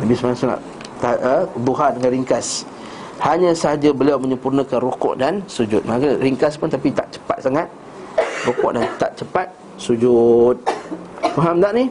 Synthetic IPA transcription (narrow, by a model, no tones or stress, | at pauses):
nabismanasuna̰ʔ | t̪aəb̪uɦadəŋanriŋkas | haɲãsəhad͡ʒabəliawməɲə̃mpurnãkanrukɔ̰ʔdansud͡ʒʊt̪̚makariŋkaspʊnt̪apit̪a̰ʔt͡ʃə̥pa̰t̪̚saŋat̪̚ | rukɔ̰ʔdant̪aʔ̚t͡ʃəpat̪̚ | sud͡ʒut̪̚faɦamdaʔni